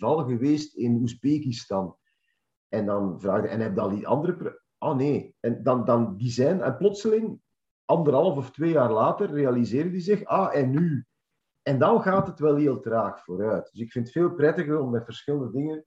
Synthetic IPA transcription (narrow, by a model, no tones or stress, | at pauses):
vɑlˠɣəweːstɪnuzbeːkistɑn | ʔɛndɑnvraːɣdəʔɛ̰nɦɛb̚dɑnitɑ̰ndəɾəpr | ʔoːneːɛndɑndɑndizɛːnɛ̰nplɔtsəlɪŋ | ʔɑndəɾɦɑlˠəfɔftweːjaːrlaːtərːeɑlizeːrdədizɪxaːʔɛnːy | ɛndɑnɣaːtɦətwɛlˠɦeəlˠtəɾaːxfoːɾœɥt̚d̥ɵsɪkfɪntətfeːlˠprɛtəɣəɾɔmdatvərsxɪlˠəndədɪŋən